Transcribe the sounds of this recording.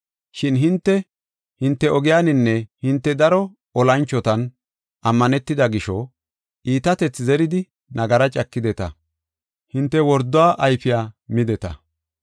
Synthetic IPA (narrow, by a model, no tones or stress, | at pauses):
ʃɪnɦɪnt̪ːɛ | hɪnt̪ːɛɔɡɪjaːnɪnːɛhɪnt̪ːɛd̪ɐɾɔ | ɔlɐnt͡ʃːɔt̪ɐn | ʔɐmːɐnɛt̪ːɪd̪ɐɡɪʃɔ | ʔiːt̪ɐt̪ɛt͡szɛɾɪd̪ɪ | nɐɡɐɾɐt͡ʃʼɐkːɪd̪ɛt̪ɐ̰ | hɪnt̪ːɛwɔɾd̪ːɔaːʔɐjfɪjaːmɪd̪ɛt̪ɐ̰